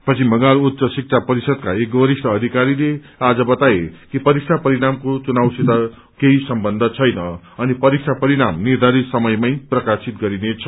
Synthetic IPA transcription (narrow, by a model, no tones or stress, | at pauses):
pʌt͡sʰimʌŋalut̪sʌsik̚t͡sʰapʌɾisʌd̪kaekʌɾisʈʌːd̪ʱikaɾile | ad͡zʌbʌt̪aekipʌɾiksʰapʌɾiɽamkot͡sunawsit̪a | keisʌmbʌnd̪ʱʌt͡sʰʌjnʌ | ʌnipʌɾiksʰapʌɾiɽamnird̪ʱaɾisʌmʌjmajprʌkasit̪ɡʌɾinet͡sʰʌ